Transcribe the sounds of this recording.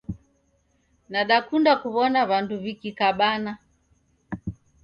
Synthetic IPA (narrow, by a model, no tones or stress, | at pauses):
naɗakundakuβɔnaβanduβikikaɓana